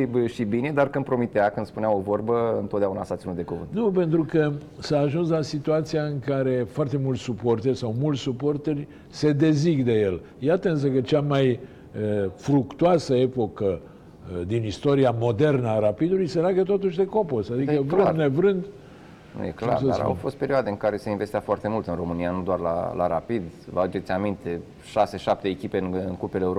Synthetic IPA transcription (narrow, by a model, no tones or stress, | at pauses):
ibʃibine̞d̪arkɨnpɾo̞mit̪eakɨnspunawovo̞rbəɨ̰nt̪ot̪d̪eaunasat̪sinut̪d̪ekuvɨ̰nt̪nupe̞nt̪ɾukə | saːʒuns̬lasit̪uat̪sijaɨŋkaɾe̞foart̪e̞mult̪supo̞rt̪erʲsawmult̪ʲsupo̞rt̪erʲ | se̞d̪e̞ziɡd̪e̞je̞l | jat̪əɨns̬əkət͡ʃamaj | əfɾukt̪uasəe̞po̞kə | d̪inist̪o̞ɾiamo̞d̪e̞rnəaɾapid̪ulujse̞leaɡət̪o̞t̪uʃʲd̪e̞ko̞po̞sad̪ikəvɾɨnnevɾɨnd̪ | nṵjḛkla̰ɾdsaɾa̰wfo̞st̪pe̞ɾioad̪eɨŋkaɾe̞seinvest̪iafoart̪e̞mult̪ɨnro̞mɨnijanud̪oarla̰la̰ɾapid̪vaud͡ʒe̞t̪sʲamint̪e̞ | ʃase̞ʃap̚t̪eːkʲipenɨnkupeleuɾo